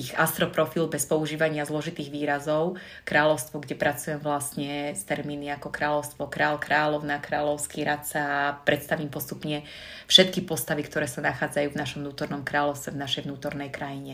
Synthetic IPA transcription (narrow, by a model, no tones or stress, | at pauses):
ixast̪ɾɔpɾɔfilbɛspɔuʒiːʋaɲɪazlɔʒit̪iːɣʋiːɾazɔʊ | kɾaːlɔʊst̪ʋɔɡɟɛpɾat͡sujɛmvlasɲɛst̪ɛɾminiakɔkɾaːlɔʊst̪ʋɔkɾaːlkɾaːlɔʊnakɾaːlɔʊskiɾat̪sapɾɛt̪st̪aʋiːmpɔst̪upɲɛ | fʃɛt̪kipɔst̪aʋikt̪ɔɾɛːsanaxaːd͡zajuːvnaʃɔmnuːt̪ɔɾnɔmkɾaːlɔʊst̪ʋɛvnaʃɛjʋnuːt̪ɔɾnɛjkɾajiɲɛ